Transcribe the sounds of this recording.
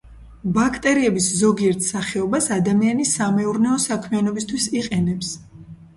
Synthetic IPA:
bakʰt̪ʼɛɾiɛbiszɔɡiɛɾt̪ʰsaχɛɔbasad̪amianisːamɛuɾnɛɔsakʰmɛanɔbist̪ʰwisiqʼɛnɛps

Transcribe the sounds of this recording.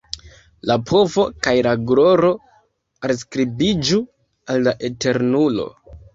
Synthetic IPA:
lapʰo̞vo̞kajlaɡɾo̞ɾo̞ | als̬kɾibid͡ʒu | alːaʔete̞ɾnulo̞̰

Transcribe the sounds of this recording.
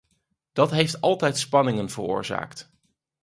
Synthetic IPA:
d̥ɑtɦejftɑlˠtɛjtspɑnɪŋənv̥ərʊ̰ːɹza̰ːkt

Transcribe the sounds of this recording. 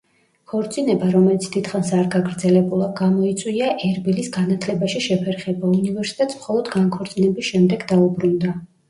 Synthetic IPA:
kʰɔɾt̪sʼinɛbaɾɔmɛlit̪sʰd̪̥it̪ʰχansaɾɡaɡɾd̪zɛlɛbulˠaɡamɔit̪sʼwiaʔɛɾbilisɡanat̪ʰlɛbaʃiʃɛpʰɛɾχɛbaunivɛɾsi̥t̪ʼɛt̪smχɔlˠɔd̪ɡaŋkʰɔɾt̪sʼinɛbisʃɛmd̪ɛɡd̪aubɾund̪a

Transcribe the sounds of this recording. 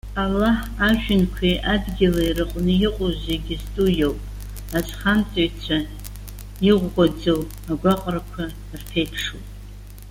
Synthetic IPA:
alːaħ | aʒᶣɪnkʷʰejʔadɡʲilairɨqʷʼnɨjɪqʼozeɡʲɪztʼujowpʼ | azʼχant͡sʼaɥt͡sʷʰa | iʁʷɡʷad͡zow | aɡʷaqʼrakʷʰa | rtʰejpʰʂṵpʼ

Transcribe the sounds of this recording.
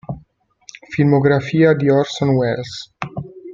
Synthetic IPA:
filmoɡɾafiːad̪iɔrsɔnwɛls

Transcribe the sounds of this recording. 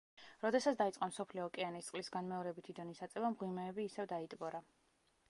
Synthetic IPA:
ɾɔd̪ɛsat̪sʰd̪ait̪sʼqʼɔmsɔpʰliɔkʼɛanist̪sʼlisɡanmɛɔɾɛbit̪ʰid̪ɔnisat̪sʼɛvamʁwimɛːbiːsɛvd̪ait̪ʼbɔɾa

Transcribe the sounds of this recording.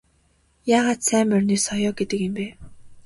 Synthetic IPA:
jaːʁaːt̪sæːmœrʲniːsɔjɔːɡet̪ɘ̆kĕmpeː

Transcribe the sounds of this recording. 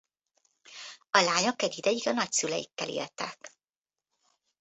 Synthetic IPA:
ɒlaːɲo̞kɛɟid̪ɛjiɡɒnɒcsylɛjḭkːɛlḭːlt̪ɛk

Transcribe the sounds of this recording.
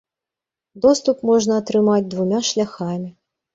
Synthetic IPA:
d̪ɔst̪upmɔʐnɐːt̪ɾɨmad͡zʲd̪vumʲaʂlʲaxamʲi

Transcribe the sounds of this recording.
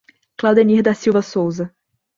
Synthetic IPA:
klawd̪ɐnihd̪ɐsiwvɐsowzɐ

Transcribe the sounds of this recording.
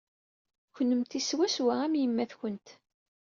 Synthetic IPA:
çənːəmt̪iswæswaæmjəmːæθçənt̪

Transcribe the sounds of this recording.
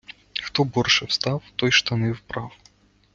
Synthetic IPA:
xt̪ɔbɔrʂɛwst̪ɑwt̪ɔjʃt̪ɐnɪwpɾaw

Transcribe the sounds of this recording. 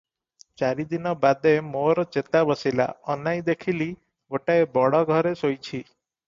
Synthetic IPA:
t͡ʃaɾid̪inɔbad̪ʱemoɾɔt͡ʃet̪abɔsila̰ɔnajd̪ekʰili | ɡoʈaebɔɽɔɡʱɔɾesojt͡ʃʰi

